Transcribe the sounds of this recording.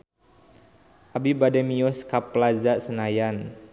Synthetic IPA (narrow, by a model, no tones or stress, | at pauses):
ʔabibadɛmiɔskapːlazaʔsənajan